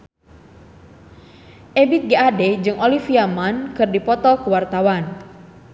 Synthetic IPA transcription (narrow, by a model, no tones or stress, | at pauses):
ʔebit̪̚ɡiadɛd͡ʒɨŋʔolifiamankɨrdipɔt̪ɔkuwart̪awan